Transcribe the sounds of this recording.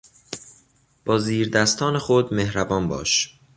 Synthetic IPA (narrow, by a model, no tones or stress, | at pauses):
b̥ɒːziːɾd̪æst̪ʰɒːnexod̪mehɾæbɒːnbɒ̰ːʃ